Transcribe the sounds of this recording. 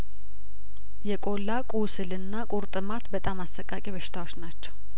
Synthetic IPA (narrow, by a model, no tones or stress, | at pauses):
jɛkʼo̞lːakʼusɨlɨnːakʼuɾt̪ʼɨmat̪bət̪ʼamasːəkʼːakʼiβəʃɪ̥t̪ʰawo̞t͡ʃːnat͡ʃːɛw